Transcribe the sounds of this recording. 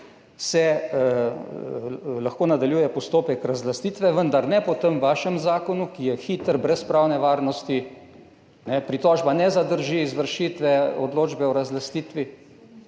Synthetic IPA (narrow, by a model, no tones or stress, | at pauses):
sɛ | laxkoːnad̪aljuːjɛpɔst̪oːpɛkɾazlast̪iːt̪ʋɛʋənd̪aɾnɛpɔt̪əmʋaʃəmzaːkɔnukijɛxiːt̪əɾbɾɛspɾaːwnɛʋaːɾnɔst̪i | nɛpɾit̪ɔːʒbanɛzad̪əɾʒiizʋəɾʃit̪ʋɛɔd̪loːd͡ʒbɛɔɾazlast̪iːt̪ʋi